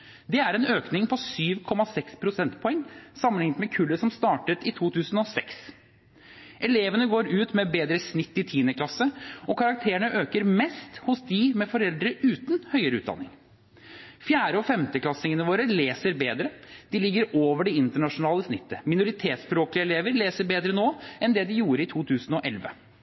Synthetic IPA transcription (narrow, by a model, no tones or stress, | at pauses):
d̪ɛæɾɛnøːknɪŋpʰɔsyːʋkʰɔmːɑsɛkspʰɾʊsɛnt̪pʰɔɛŋːsɑmːənlɪŋːət̪mɛkʰʉlːəsɔmst̪ɑːʈət̪ɪt̪ʰuːt̪ʰʉːsn̩ɔsɛks | ʔɛleːʋənəɡoːɾʉːt̪mɛbeːd̪ɾəsnɪt̪ːɪt̪ʰiːnəkʰlɑsəɔkʰɑɾɑk̚t̪ʰeːəɳəʔøːkəɾmɛst̪hʊsd̪ɪmɛfɔɾɛld̪ɾəʔʉːt̪nhœʏəɾəʉ̰ːt̪d̪ɑ̰nːɪ̰ŋ | fjæːɾəɔfɛmt̪əklɑsɪŋənəʋoːɾəleːsəɾbeːd̪ɾəd̪̥ɪlɪɡːəɾoːʋəɖɛɪnt̪əɳɑʂʊnɑːləsnɪt̪ːəmɪnʊɾɪt̪ʰeːt̪spɾoːklɪəɛleːʋəɾleːsəɾbeːd̪ɾənoːɛnd̪ɛd̪ɪjuːɾəɪt̪ʰuːt̪ʰʉːsn̩ɔʔɛlʋə̰